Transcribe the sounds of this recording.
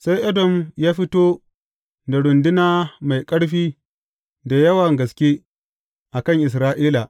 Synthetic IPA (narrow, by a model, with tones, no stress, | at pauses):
sa˦jʔɐ˦dɔ˨mjaː˦ɸɪ˦toː˦ | da˨ɽʊ˨ndɪ˦naː˦ma˨jkʼɐ˦ɽɸiː˦ | da˨jɐ˦wɐ˨ŋɡɐ˨skʲeː˦ | ʔa˨kɐ˦˨ŋʔɪ˨s̬ɾaː˦ʔiː˦la˨